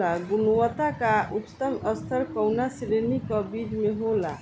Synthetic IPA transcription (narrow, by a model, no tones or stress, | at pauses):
aɡunuwət̪akaut̪t̪əməst̪ʰəɾkɔwnasiɾenikəbid͡ʒmeɦola̰